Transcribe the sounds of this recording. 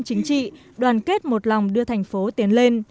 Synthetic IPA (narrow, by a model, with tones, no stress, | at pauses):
t͡ɕï˨˦ŋ̟t͡ɕḭ˧˨ | ɗwaː˨˩nke˦˥t̚mo˨˩t̚la˨˩wŋ͡mɗɨ˧ət̪ʰa˨˩jŋ̟fo˨˦t̪i˨˦ənle˧n